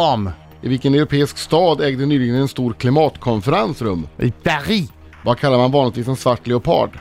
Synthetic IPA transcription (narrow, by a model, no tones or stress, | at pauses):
ɔm | ʔɪvɪlkənɛʊɾʊpʰeːɪskst̪ɑːd̪ɛːɡd̪ənyːlɪɡlənɛnst̪uːɾkʰlɪmɑːt̪kʰɔnfəɾansɾɵmːɪbæɾiː | vakʰalːaɾmanvɑːnlɪt̪viːs̬ɛnsvaʈːlɪʊpʰɑ̰ːɖ